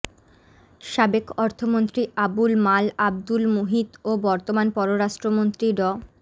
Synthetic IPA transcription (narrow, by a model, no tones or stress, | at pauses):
ʃabekɔɾt̪ʰomont̪ɾiabulmalab̚d̪ulmoɦid̪obɔɾt̪omanpɔɾoɾaʃʈɾomont̪ɾiɖɔ